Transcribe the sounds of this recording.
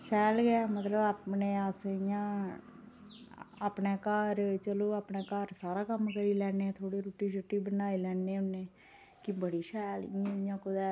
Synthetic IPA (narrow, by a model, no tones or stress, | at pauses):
ʃɛːlɡɛːmət̪ləbaːpneːaːsɪjãː | aːpneːkaːɾt͡ʃəloːaːpɳeːkaːɾsaːɾaːkəmkəɾiːlɛːneːt̪ʰoːɽiːɾʊʈːiːsʊʈːiːbənaːilɛːnẽːʊnːẽː | kɪbəɽiːʃɛːlɪ̰jãɪjãːkʊd̪ɛː